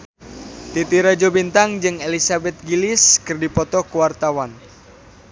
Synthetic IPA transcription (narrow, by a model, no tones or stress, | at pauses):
t̪it̪iɾad͡ʒobint̪aŋd͡ʒɨŋelisabɛt̪̚ɡilɪskɨrdipɔt̪ɔkuwart̪awan